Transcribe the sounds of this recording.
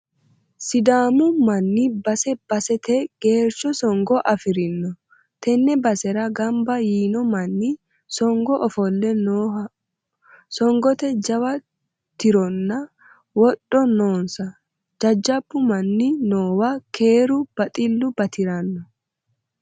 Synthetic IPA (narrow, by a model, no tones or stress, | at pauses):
sɪd̪aːmʊmɐnːɪbɐsɛb̥ɐsɛt̪ɛɡ̥eːɾt͡ʃːɔsɔŋɡɔʔɐfɪɾɪnːɔ | t̪ɛnːɛbɐsɛɾɐɡɐmbɐjiːnɔmɐnːɪ | sɔŋɡɔʔɔfɔlːɛnoː | sɔŋɡɔt̪ɛd͡ʒɐwɐ | t̪ɪɾɔnːɐ | wɔɗːɔnoːnsɐ | d͡ʒɐd͡ʒːɐb̥ːʊmɐnːɪnoːwɐkʰe̞ːɾʊb̥ɐt̪ʼɪlːʊbɐt̪ɪɾɐnːɔ